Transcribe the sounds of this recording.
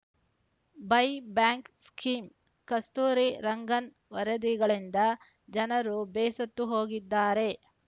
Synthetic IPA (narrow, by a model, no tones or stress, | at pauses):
bɐjbjaːŋkskiːm | kɐst̪uːɾiɾɐŋɡɐn | ʋɐɾɐd̪iɡɐɭind̪ɐ | d͡ʒɐnɐɾubɛːsɐt̪ːuɦo̞ːɡid̪ːaːɾe̞